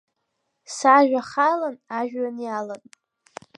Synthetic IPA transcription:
saʒᶣʷaχalanaʒᶣɥanjalan

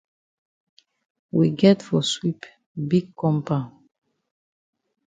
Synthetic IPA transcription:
wiɡɛtfɔswip | biɡ̚kɔ̃mpa

